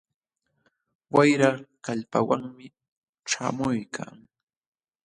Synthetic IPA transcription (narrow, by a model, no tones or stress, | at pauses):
wajɾakaʎpa̰waŋmɪ | ʈ͡ʂaːmʊjkʰa̰ŋ